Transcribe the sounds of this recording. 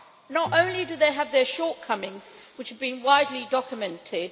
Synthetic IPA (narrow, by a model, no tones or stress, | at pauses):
nəɾõʊ̃nlidɨðeɪəvðəʃɔɹt̚kʰʌmɪ̃ŋz̥ | wɨt͡ʃhəvbĩnwaɪdˡlidɒkjəmɛ̃ntʰɪd̥